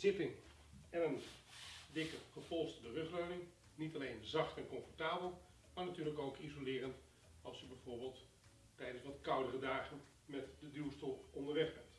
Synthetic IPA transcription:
z̥ɪtɪŋ | ɛnən | dɪkəχəpolˠstədərøχrøɥnɪŋ | nitalejnzɑχtɛnkɔnfɔrtaːbəlˠ | maɹnatyːrləkowkizolɪːrənt | ɑlˠsəbɛjv̥oːɹbɪːlˠt | tɛjdənsʋɑtkʌwdərədaːɣən | mɛtdədyəstolɔndəɹʋɛχbɛnt

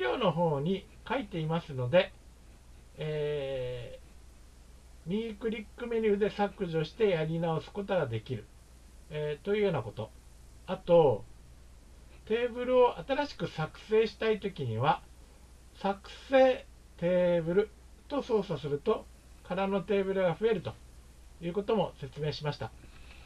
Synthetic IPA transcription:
ɾʲoːno̞ɦo̞ːɲ̟ikait̪e̞imasɨno̞d̪e̞ | mʲikɯ̟ɾʲikːɯ̟me̞ɾʲɯɯd̪e̞sakːɯ̟ʑio̞ɕi̥t̪e̞jaɾʲinao̞sɨ̥ko̞t̪o̞ɡad̪e̞kʲiɾɯ̟ | t̪o̞iɯ̟ːjo̞ːnako̞t̪o̞̰ | at̪o̞ | t̪e̞ːbɯ̟ɾɯ̟o̞ʔat̪aɾaɕi̥kɯ̟sakɯ̟̥se̞ːɕi̥t̪ait̪o̞kʲiɲ̟iβa | sakɯ̟̥se̞ː | t̪e̞ːbɯ̟ɾɯ̟ | t̪o̞so̞ːsasɨɾɯ̟t̪o̞ | kaɾano̞t̪e̞ːbɯ̟ɾɯ̟ɡaɸɯ̟e̞ɾɯ̟t̪o̞ | jɯ̟ːko̞t̪o̞mo̞se̞t͡sɨme̞ːɕimaɕi̥t̪a

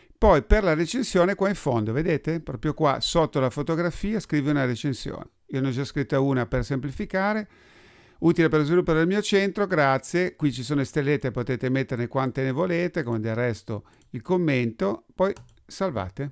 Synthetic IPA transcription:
pɔjperlaɾet͡ʃensjoːnekwaiɱfond̪oved̪eːt̪epɾɔːpɾjokwa̰sot̪ːolafot̪oɡɾafiːaskɾiːviunaɾet͡ʃensjo̰ːneionõnd͡ʒaskɾit̪ːauːnapersemplifikaːɾe | uːt̪ilepeɾlozvilupːaɾedelmiːot͡ʃent̪ɾoɡɾat̪sːjekwit͡ʃisoːnoest̪elːet̪ːepːot̪eːt̪emet̪ːernekwant̪enevoleːt̪ekomed̪errːɛst̪o | ilkomːent̪opɔj | salva̰ːt̪e

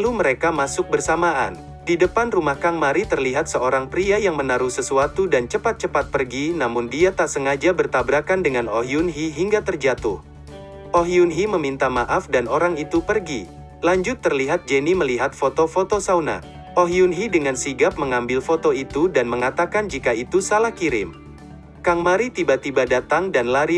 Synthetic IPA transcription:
luməɾekamasʊk̚bərsamaʔa̰n | didəpanrumahkaŋmaɾit̪ərliɦat̪səʔoɾaŋpɾiajaŋmənaɾuhsəsuat̪udant͡ʃəpat̪̚t͡ʃəpat̪̚pərɡinamʊndiat̪aʔsəŋad͡ʒabərt̪abɾakandəŋanoɦiunɦiɦiŋɡat̪ərd͡ʒat̪ʊh | ʔoɦiunɦiməmint̪amaʔafdanoɾaŋit̪upərɡi | laɲd͡ʒʊt̪ːərliɦat̪̚d͡ʒəniməliɦat̪̚fot̪ofot̪osawna̰ | ʔoɦiunɦidəŋansiɡap̚məŋambɪlfot̪oit̪udanməŋat̪akand͡ʒikait̪usalahkiɾɪ̰m | kaŋmaɾit̪ibat̪ibadat̪aŋdanlaɾi

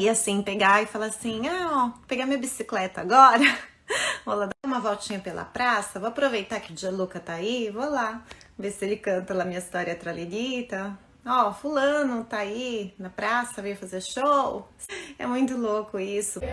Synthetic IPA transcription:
iasĩpeɡaɪfalasĩaɔpeɡamĩɐbisiklɛt̪ɐaɡɔɾɐ | volad̪aũmɐvɔwt͡ʃĩɲɐpelɐ̰pɾasɐvowapɾovejt̪akɪʊd͡ʒiɐlukɐt̪aivolavesɪelɪkɐ̃nt̪ɐlamĩɲɐist̪ɔɾjɐt̪ɾalelit̪ɐ | ɔfulɐ̃nʊt̪ainɐpɾasɐvejʊfazeɾʃow | ɛ̰mũj̃t̪ʊlokʊisʊ

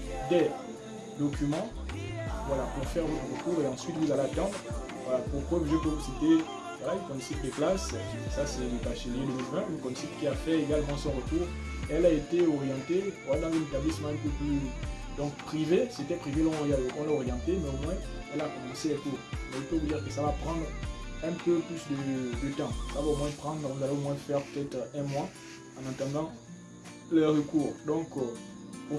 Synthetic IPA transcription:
d̪ɛ | d̪ɔkʲymɑ̃ | vwalapuʁfɛʁdɛ̃ʁəkuʁeɑ̃sɥit̪vuzaleat̪ɑ̃d̪ʁ | valapuʁkwɔkʒəpøvusit̪e | vwalaynkɔ̃msit̪d̪əklas | sasɛləkaʃeljed̪əmilvɛ̃ynkɔmsit̪kʲiafɛeɡalmɑ̃sɔ̃ʁətuːʁ | ɛlaet̪eɔʁjɑ̃t̪evwad̪ɑ̃zynet̪ablismɑ̃ɛ̃pøply | d̪ɔ̃kpχiveset̪ɛpχivelɔ̃ʁɔ̃laɔʁjɑ̃t̪emɛomwɛ̃ | ɛlakɔmɑ̃selɛkuːʁmɛifovud̪iʁkəsavapχɑ̃d̪ʁɛ̃pøplysd̪əd̪ət̪ɑ̃savaomwɛ̃pχɑ̃d̪ʁvuzaleomwɛ̃fɛʁpø̥t̪ɛt̪ʁɛ̃mwa | ɑ̃nɑ̃t̪ɑ̃d̪ɑ̃ | lɛʁəkuːʁd̪ɔ̃k | o

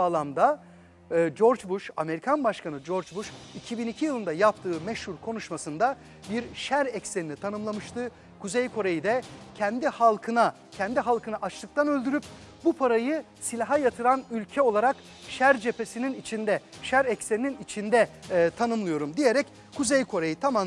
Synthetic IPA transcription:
aːlˠamd̪a | d͡ʒo̞ɾd͡ʒbuʃa̰me̞ɾikʰanbaʃkanɯd͡ʒo̞ɾd͡ʒbuʃicʰibinicʰijɯlˠɯnd̪ajapt̪ʰɯːmɛʃhuɾkʰo̞nuʃmasɯnd̪a | biɾʃæɾɛcseninit̪ʰanɯmlˠamɯʃt̪ʰɯ | kʰuzejkʰo̞ɾejid̪ɛcʰɛnd̪ihalˠkʰɯna | cʰɛnd̪iɦalˠkɯnaʔat͡ʃlˠɯk̚t̪ʰanø̞lʲd̪yɾyp | bupʰaɾajɯ | silʲaɦajat̪ʰɯɾanylʲcʰɛo̞lˠaɾak | ʃæɾd͡ʒe̞pe̞sininit͡ʃʰind̪ɛʃæɾɛcse̞nininit͡ʃʰind̪ɛt̪ʰanɯmlˠɯjo̞ɾumd̪ije̞ɾɛc | kʰuzejkʰo̞ɾajɯt̪ʰamam

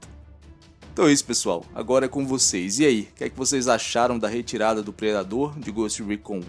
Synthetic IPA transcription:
t̪õɛisʊ̥pesua̰wa̰ɡɔɾɐɛkõvosejziaikɛkɪvosejzaʃaɾɐ̃w̃d̪ɐɦet͡ʃiɾad̪ɐd̪ʊpɾed̪ad̪oɾd͡ʒɪɡost͡ʃɪwikõ

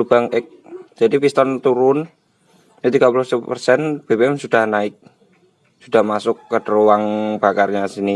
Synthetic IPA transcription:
lub̥aŋɪk̚d͡ʒ̥adipist̪ɔnt̪uɾʊn | ət̪iɡ̥apulʊhsəpərsɛnb̥ebeɛmsud̥ahnaɪk̚ | sud̥ahmasʊkːədəɾowaŋb̥akarɲasini

